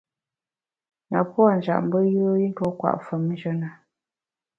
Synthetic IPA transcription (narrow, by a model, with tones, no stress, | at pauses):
na̰˨pwa˦˨n̩d͡ʒa̰˨ʔm̩˦bə˦jo˦i˦n̩˦tɔ˦kwa̰˨ʔfə˨m˦n̩˦d͡ʒə˦na˨